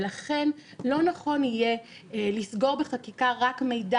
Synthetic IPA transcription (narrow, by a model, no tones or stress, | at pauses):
laχe̞nlo̞naχo̞nije | lisɡo̞ʁbeχakikaʁakme̞jda